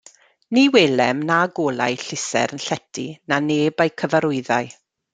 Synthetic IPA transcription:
niweːlɛmnaɡoːlˠa̰jɬɪsɛ̰ɾənɬɛtʰinaneːbajkʰəvaɾʊɨðaɨ

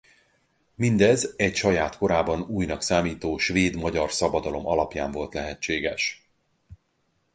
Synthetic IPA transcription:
mind̪ɛzɛcʃɒjaːt̪ko̞ɾaːbɒnuːjnɒksaːmiːt̪oːʃveːd̪mɒɟɒrsɒbɒd̪ɒlo̞mɒlɒpja̰ːɱvo̞lt̪lɛɦɛt͡ʃt͡ʃːeːɡɛʃ

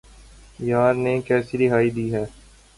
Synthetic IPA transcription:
jaːɾnekɛːsiɾɪɦaːid̪iːɦɛː

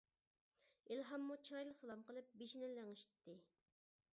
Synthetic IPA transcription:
ilɦɑmːut͡ʃʰiɾɑjlˠəqsɑlˠɑmqəlˠɨp̚beʃinɛlːæŋiʃi̥t̪ʰːɪ

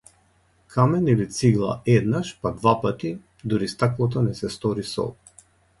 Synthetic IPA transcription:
kʰamɛnilit̪siɡlˠa̰ɛd̪naʃpad̪vapat̪i | d̪uɾist̪aklˠɔt̪̬ɔnɛsɛst̪ɔɾisɔ̰

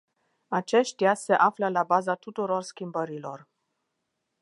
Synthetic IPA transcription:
at͡ʃe̞ʃt̪jase̞ʔafləlabazat̪ut̪uɾo̞rskʲimbəɾilo̞r

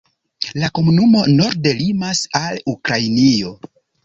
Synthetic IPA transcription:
lako̞munumo̞no̞ɾde̞limasalukɾajnio̞

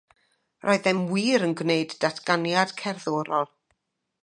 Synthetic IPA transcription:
rʔɔɨðɛmwiːɾənɡwneɨdːatʰɡ̥anjad̥kʰɛrðoːɾɔlˠ

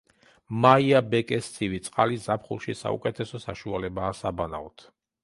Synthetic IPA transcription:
maiabɛkʼɛst̪sʰivit̪sʼqʼalizapχṵlˠʃisa̰ṵkʼɛt̪ʰɛsɔsaʃualɛbaːsabana̰ɔt̪ʰ

